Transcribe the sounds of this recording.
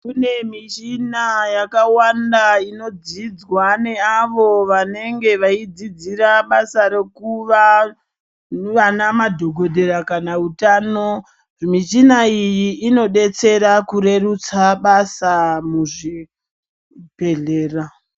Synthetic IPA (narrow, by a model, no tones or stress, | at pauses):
kune̞mit͡ʃinajakawandaino̞d͡zid͡zwane̞aʋo̞ʋane̞ŋɡe̞ʋaid͡zid͡ziɾaɓasaɾekuʋa | ʋanamadʱo̞ɡʱo̞dʱe̞ɾakanautaːno̞ | mit͡ʃinaijiːno̞ɗe̞t͡se̞ɾakuɾe̞rut͡saɓasamuʐi | pe̞ɮeːra